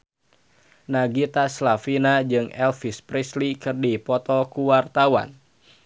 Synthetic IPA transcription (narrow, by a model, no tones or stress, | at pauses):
naɡit̪aslafinad͡ʒɨŋɛlfispɾislikɨrdipɔt̪ɔkuwart̪awa̰n